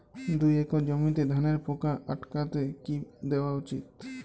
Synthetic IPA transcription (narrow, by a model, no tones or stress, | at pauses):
d̪ujɛkɔd͡ʒɔmint̪ɛd̪ʱaneɾpɔkaʔaʈkat̪ɛkid̪ɛbaut͡ʃit̪̚